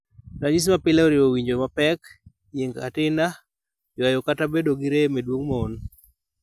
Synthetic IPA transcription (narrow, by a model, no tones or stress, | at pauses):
ɾaɲis̬mapɪlaoɾɪowiɲd͡ʒomapɛk | ɲeŋɡa̰tɪna | jajokatabedoɡiɾemedwoŋmɔon